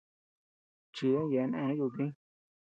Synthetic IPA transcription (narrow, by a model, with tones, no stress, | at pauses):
t͡ʃi˧ðõ˦je˧nẽ˧˦ju˧t̪̬ĩ˦